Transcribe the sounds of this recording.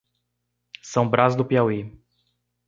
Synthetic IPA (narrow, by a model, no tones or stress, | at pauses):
sɐ̃w̃bɾazd̪ʊpiawi